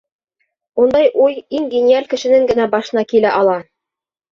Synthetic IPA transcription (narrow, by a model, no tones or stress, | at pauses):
und̪ɑjʔujiŋɡʲɪnʲialʲkɘ̆ʃɘ̆nɘŋɡɘ̆næbɑʃɤ̆nɑkilæʔɑlˠɑ